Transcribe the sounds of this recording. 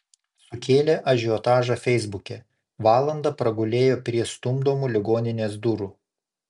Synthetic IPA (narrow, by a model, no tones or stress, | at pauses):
sʊkʲeːlʲeːʔɐʒʲiɔt̪ɑːʒɑfʲɛɪzbʊkʲɛ | ʋɑːlˠɐnd̪ɐpɾɐɡʊlʲeːjoːpʲɾʲiɛst̪ʊmd̪oːmuːlʲɪɡoːnʲɪnʲeːsd̪ʊɾuː